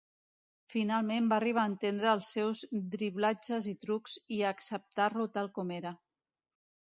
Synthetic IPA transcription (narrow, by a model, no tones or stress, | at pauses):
finalˠmembaəriβ̞aːnt̪end̪ɾəːlˠsːɛwzd̪ɾiβlad͡ʒəzit̪ɾukziəksəp̚t̪arlut̪alˠkɔmeɾə